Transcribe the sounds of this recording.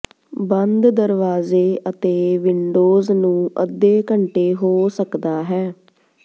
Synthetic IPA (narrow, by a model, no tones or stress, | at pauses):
bənd̪d̪əɾʋaːzeːət̪eːʋɪɳɖoːznũːʔəd̪eːkəɳʈeːɦoːsəkd̪aːɦɛː